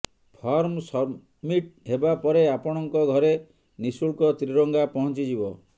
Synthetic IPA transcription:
pʰɔɾmsɔ | miʈ̚ɦebapɔɾeapɔɽ̃ɔŋkɔɡʱɔɾe | nisuɭkɔt̪ɾiɾɔŋɡapɔɦɔ̃nt͡ʃid͡ʒibɔ

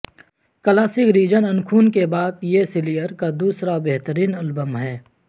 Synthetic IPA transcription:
kɐlaːsɪkɾiːd͡ʒənɐnkʰuːnkebaːd̪jesɪlijəɾkad̪uːsɾabeɦt̪əɾiːnɐlbəmɦɛː

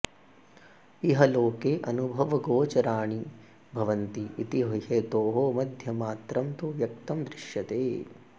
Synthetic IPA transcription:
iɦɐloːkeːʔɐnubʱɐʋɐɡoːt͡ʃɐɾaːɳi | bʱɐʋɐnt̪iːt̪iɦɐɦet̪oːɦoːmɐd̪ʱjɐmaːt̪ɾɐmt̪uʋjɐk̚t̪ɐmd̪ɾɪʃjɐt̪eː

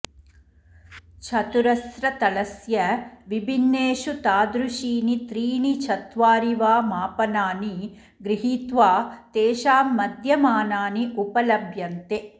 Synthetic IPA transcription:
t͡ʃʰɐt̪uɾɐsɾɐt̪ɐlɐsjɐʋibʱinːeːʃut̪aːd̪ɾuʃiːnit̪ɾiːnit͡ʃʰɐt̪ʋaːɾiʋaːmaːpɐnaːni | ɡɾiɦiːt̪ʋaːt̪eːʃaːmːɐd̪ʱjɐmaːnaːniʔupɐlɐbʱjɐnt̪e

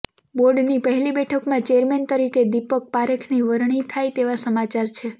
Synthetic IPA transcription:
boɾɖnipəɦɛlibɛʈʰəkmãt͡ʃeəɾment̪əɾiked̪ipək̚paɾəkʰniʋəɾɳ̃it̪ʰajt̪eʋasəmat͡ʃaɾt͡ʃʰe

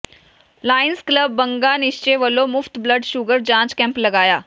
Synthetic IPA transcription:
laːɪnskləbːəŋɡanɪʃt͡ɕeʋəlomʊft̪bləɖʃuɡəɾd͡ʑãːt͡ɕkɛ̃mplɐɡaːjaː

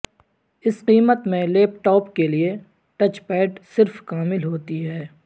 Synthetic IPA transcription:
ɪsqiːmət̪mẽleːpʈɔːpkelie | ʈɐt͡ʃpɛːʈsɪɾfkaːmɪlɦoːt̪iɦɛː

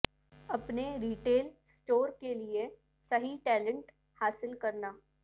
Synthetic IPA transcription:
ɐpneɾiːʈeːlsʈoːɾkelie | sɐɦiʈɛːlə̃ɳʈ | haːsɪlkɐɾnaː

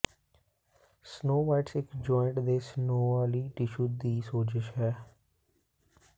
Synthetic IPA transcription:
snoːʋaːɪʈsɪkd͡ʒɔːɪɳʈd̪eːsnoːaːliːʈɪʃuːd̪iːsoːd͡ʒəʃɦɛː

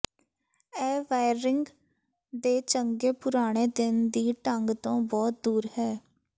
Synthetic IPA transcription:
ɛːʋaːɪɾɪŋɡ | d̪eːt͡ʃəŋɡeːpʊɾaːɽ̃eːd̪ɪnd̪iːʈəŋɡt̪õːbɔːt̪̚d̪uːɾhɛː

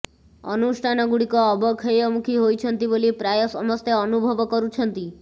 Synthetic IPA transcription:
ɔ̰nusʈʰanɔɡuɽikɔːbɔkʰejɔmukʰiɦojt͡ʃʰənt̪ibolipɾajɔsɔmɔst̪eɔnubʱɔʋɔkɔɾut͡ʃʰənt̪i

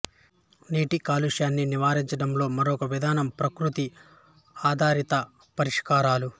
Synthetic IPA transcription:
niːʈikaːluʂjaːnːiniʋaːɾiɲt͡ʃɐɽɐmlo̞ːmɐɾɔkɐʋid̪ʱaːnɐmpɾɐkɾut̪i | aːd̪ʱaːɾit̪ɐ | pɐɾiʂkaːɾaːlu

